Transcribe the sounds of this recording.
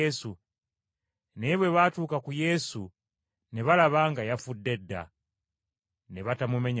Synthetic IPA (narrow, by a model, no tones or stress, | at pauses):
esu | neβwe̞βatuːkakuje̞su | ne̞βalaβaːŋɡajafudːe̞dːa̰ | ne̞βatamume̞ɲ